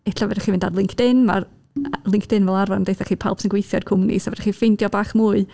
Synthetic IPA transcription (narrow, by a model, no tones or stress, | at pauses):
ɛɬavɛdaχimɪndadlˠɪŋkʰd̥ɪnma̰ | lˠɪŋkʰd̥ɪnvɛlˠarvɔnəndejθaχiːpʰa̰lˠpsɪnɡwejθjɔdkʰʊmnḭsavɛdaχifɪndjɔbaːχmuːɨ